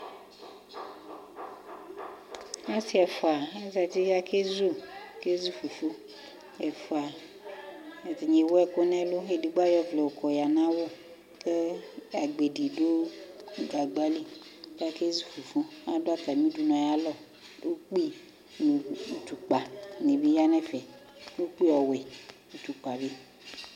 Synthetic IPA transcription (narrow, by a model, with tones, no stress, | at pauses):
a˦si˦ɛ˨fɔ˨a˨ɛ˦za˨t̪i˦a˦ke˦zo˦˨ke˦zu˦fu˨fu˦ | ɛ˨fo˨a˨ | ɛ˨t̪i˨ɲe˨wo˦ɛ˦ko˦nɛ̃˦lo˦e˨di˨ɡ͡ba˦jɔ˦vlɛ˨o˨kɔ˨ja˨nã˦wo˦ | ke˦a˨ɡ͡be˨di˨do˦ɡa˨ɡ͡ba˦li˦ka˦ke˦zu˦fu˨fu˦a˨do˦a˦t̪a˨mĩ˦du˦nɔ̃˨ja˦lɔ˦ | wo˦k͡pi˦ | nu˨u˨t̪u˨k͡pa˨ne˨bi˦ja˦nɛ˦fɛ˨ | wo˦k͡pi˦ɔ˨wɛ˨ | u˨t̪u˨k͡pa˨bi˦